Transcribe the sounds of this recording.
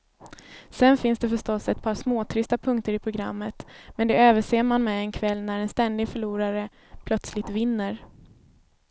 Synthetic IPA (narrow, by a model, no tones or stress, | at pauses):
sɛnfɪnsd̪ɛfœʂtɔsːɛt̪̚pʰɑːʂmoːt̪ʰɾʏst̪apʰɵŋk̚t̪əɾɪpʰɾʊɡɾa̰mːət̪mɛnd̪ɛøːvəʂeːmanmɛɛnkʰvɛlːnæɾɛnst̪ɛnd̪ɪɡfœɭuːɾaɾə | pʰlœt̪slɪt̪vɪnːəɾ